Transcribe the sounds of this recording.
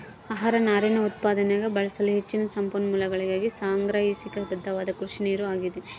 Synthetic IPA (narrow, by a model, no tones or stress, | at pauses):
aːɦaːɾɐnaːɾenɐut̪̚paːd̪ɐnɛjaːɡɐbɐɭɐsɐluɦet͡ʃːinɐsɐmpɐnːɐmuːlɐɡɐɭiɡaːɡisaːŋɡɾaːɦisikɐɐd̪ɐd̪ʱːɐʋaːd̪ɐkɾuʂiniːɾuaːɡid̪e